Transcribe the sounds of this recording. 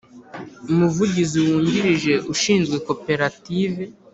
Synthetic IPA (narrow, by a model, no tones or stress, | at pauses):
umuvuɟiziwuːɲɟiɾiʒe̞ʔuʃiːnzɡwe̞ko̞pe̞ɾative